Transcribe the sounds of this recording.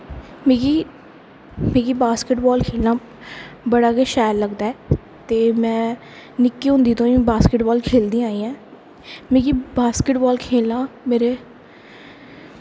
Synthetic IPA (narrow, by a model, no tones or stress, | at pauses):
meːɡi | meːɡiːbaːskɪʈbɔːlkʰeːlnãː | bəɽaːkeːʃɛːɾləɡd̪aːɛː | t̪eːmɛ̃ː | nɪkːiːɦʊ̃nd̪iːt̪õːĩːbaːskɪʈbɔːlkʰeːld̪ĩːaːiːɛ̃ː | mẽːɡiːbaːskɪʈbɔːlkʰeːlnãːmeːɾeː